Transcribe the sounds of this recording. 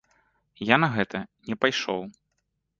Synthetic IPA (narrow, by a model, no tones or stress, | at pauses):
janɐɣɛt̪ɐnʲɛpajʂɔ̰w